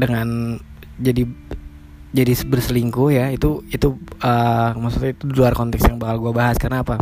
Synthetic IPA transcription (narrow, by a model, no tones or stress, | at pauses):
dəŋan | d͡ʒadi | d͡ʒadisbərsəliŋkujait̪uit̪uəmaksut̪ait̪udiluarkɔnt̪ɛksjaŋbakalɡuabaɦaskarnaːpa